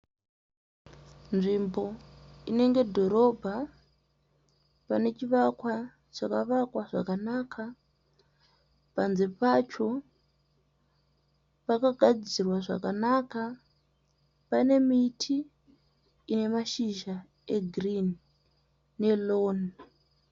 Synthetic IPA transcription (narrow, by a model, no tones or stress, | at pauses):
nʐimbo̞ine̞ŋɡe̞dʱo̞ɾo̞bʱa | pane̞t͡ʃiʋakwa | t͡ʃakaʋakwaʐa̰kanakʰa | panzepat͡ʃo̞ | pakaɡʱad͡zirwaʐa̰kanaka | pane̞mitʰiː | ne̞maʃiʒa | e̞ɡʱrinː | e̞loːn